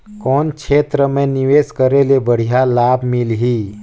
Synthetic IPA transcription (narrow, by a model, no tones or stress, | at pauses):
kɔːnkʰeːt̪ɾəmẽnɪʋeːskəɾelebəɽ̤ijalaːbmɪlɦiː